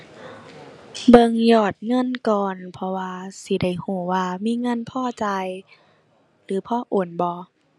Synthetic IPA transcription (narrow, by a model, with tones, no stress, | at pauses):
bɤ˧ŋjɔː˧˨˩t̪̚ŋɤ˧˥˨nkɔː˨˩npʰɔ˧waː˧si˧˦da˧˥˩jhuː˧˩waː˧miː˧˥˨ŋɤ˧˥˨npʰɔː˧˩˨t͡ɕa˧j | lɯː˨˦pʰɔː˧˥˨ʔoː˨˩nbɔː˧˦